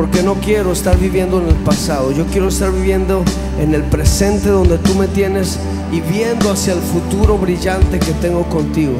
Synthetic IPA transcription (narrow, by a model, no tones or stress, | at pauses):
poɾke̞no̞kje̞ɾo̞est̪aɾβiβje̞nd̪oene̞lpasað̞o̞ʝo̞kje̞ɾoest̪aɾβiβje̞nd̪o̞ | ene̞lpɾese̞nt̪e̞ðo̞nd̪e̞t̪ume̞t̪je̞ne̞s | iβje̞nd̪oasjaelfut̪uɾo̞βɾiʝant̪e̞ke̞t̪e̞ŋɡo̞ko̞nt̪iɣo